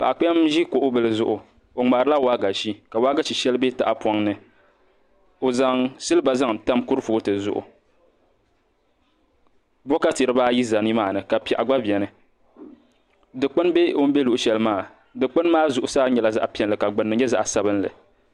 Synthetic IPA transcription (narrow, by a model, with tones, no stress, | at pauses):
pa˨ʔa˨k͡pɛ˦a˦mʒi˦ko˨ʔʊ˦bɨ˨lɨ˦zʊ˦ʔʊ˨ | o˨ŋ͡ma˨ɾɨ˦la˦waː˦ɡa˨ʃi˦ka˨waː˦ɡa˦ʃi˨ʃɛ˦lɨ˦be˦ta˨ʔa˨pɔ˦ŋnɨ˦ | o˨za˨ŋsɨ˦lɨ˦ba˨za˦ŋta˦mku˦ɾɨ˦fu˨˦tɨ˨zʊ̰˦ʔʊ̰˨ | bɔ˦ka˦ti˨ɾɨ˦baː˦ji˦za˨ni˦maː˨nɨ˨ka˨pɛ˨ʔa˨ɡ͡ba˦bjɛ˨nɨ˨ | dɨ˨k͡pɨ˦n˦be˦o˦m̩˦be˦lu˨ʔʊ˨ʃɛ˦lɨ˦maː˦˨ | dɨ˨k͡pɨ˦n˦maː˦zʊ˨ʔʊ˦saː˦ɲɛ˨la˦za̰˦ʔpi˨ɛ˦nlɨ˨ka˨ɡ͡bɨ˨nːɨ˨ɲɛ˦za˦ʔa˨sa˦bɨ˦nlɨ̰˨